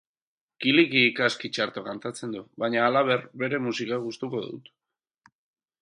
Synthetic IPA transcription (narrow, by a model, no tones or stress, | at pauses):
kilikiːkaskit͡ʃaɾt̪okant̪at͡se̞nd̪uβaɲaːlaβ̞e̞rbe̞ɾe̞musikaɣust̪uko̞ðṵt̪